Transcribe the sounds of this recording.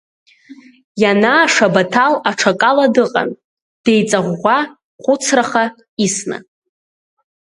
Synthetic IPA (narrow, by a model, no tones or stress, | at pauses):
janaːʂabatʰalaʈ͡ʂʰakʼaladɨqʼa̰n | d̥ejt͡sʼaʁʷa | χʷʊt͡sʰraχa | isna̰